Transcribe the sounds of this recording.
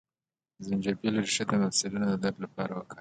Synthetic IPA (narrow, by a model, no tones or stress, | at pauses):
zɪnd͡ʒaɾbelaɾiʃad̪əmafsɪlunod̪əd̪ablapɑɾawaka